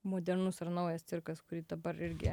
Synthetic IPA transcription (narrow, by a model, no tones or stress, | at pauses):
moːd̪ʲɛɾnʊsɐɾnɐʊjɛst̪sʲɪɾkɐskʊɾʲiːd̪ɐbɐɾɪɾʲɡʲɪ̰